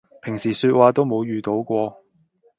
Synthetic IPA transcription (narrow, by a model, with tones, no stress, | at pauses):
pʰɪ˨˩ŋsiː˨˩syː˧t̚waː˨˧t̪o˥wmo˨˧wjyː˨t̪o˨˥wkʷɔː˧